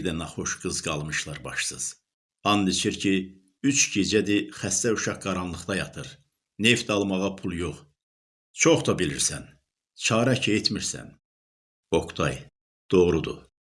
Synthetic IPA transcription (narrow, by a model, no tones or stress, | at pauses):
d̪ænɑχo̞ʃɡɯzɡɑ̰lˠmɯʃlˠɑɾbɑʃsɯz̥ | ɑnd̪it͡ʃʰiɾcʰi | yt͡ʃɟed͡ʒæd̪ixæst̪æuʃɑχɡɑɾɑnlˠɯχt̪ɑjɑt̪ʰɯɾ | ne̞ft̪ɑlˠmɑʁɑpʰulˠjoχ | t͡ʃʰoχt̪ɑbiliɾsæn | t͡ʃʰɑːɾɑcʰet̪miɾsæ̰n | o̞kʰt̪ʰɑ̰j | d̪̥o̞ʁɾud̪ṵ